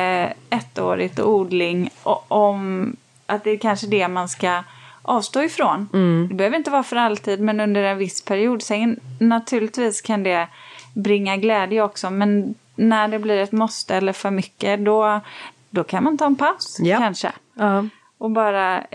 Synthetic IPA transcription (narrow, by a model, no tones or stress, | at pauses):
ɛt̪ːo̰ːɾɪɡ̚t̪ɔuːd̪lɪŋɔm | ʔat̪̚d̪ɛːɾkʰanʂəd̪ɛmanskaʔɑːvst̪oːɪfɾoːnd̪ɛbɛhøːvɾɪnt̪əvɑːɾafœɾalt̪ʰiːd̪mɛnɵnd̪əɾɛnvɪspʰæɾɪuːd̪sɛŋnnat̪ʰʉ̟ːlɪt̪viːskʰand̪ɛ | bɾɪŋːaɡlɛːd̪jəɔksɔmɛnː | æɖɛbliːɾɛt̪mɔst̪əɛlːəɾfœɾmʏkːəd̪ɔ | d̪ɔkʰanmant̪ʰɑːɛnpʰaskʰanʂə̰ | ɔbɑːɾa